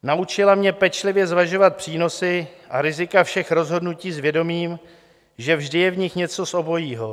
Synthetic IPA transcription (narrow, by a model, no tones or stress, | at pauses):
naʔut͡ʃɪlamɲɛpɛt͡ʃlɪvjɛzvaʒo̞vat̪̚pr̝̥iːno̞sɪʔaɾɪzɪkafʃɛxɾo̞zɦo̞dnuciːzvjɛdo̞miːm | ʒɛvʒdɪjɛvɲɪxɲɛt͡so̞sʔo̞bo̞jiːɦo̞